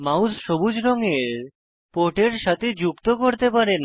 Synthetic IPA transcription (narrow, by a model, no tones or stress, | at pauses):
mausʃobud͡ʑɾɔŋeɾ | poʈeɾʃat̪ʰed͡ʑukt̪okoɾt̪epaɾen